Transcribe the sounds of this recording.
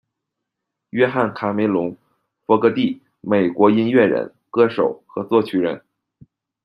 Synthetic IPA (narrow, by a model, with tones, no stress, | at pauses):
ɥɛ˥xa˥˩nkʰa˧˥me˧˥ɪlʊ˧˥ŋ | fɔ˧˥kɤ˧˥t̪i˥˩ | me˨˩ɪkwɔ˧˥i˥nɥɛ˥˩ɻə̰˧˥n | kɤ˥ʂo˨˩ʊxɤ˧˥t͡swɔ˥˩t͡ɕʰy˨˥ɻə̰˧˥n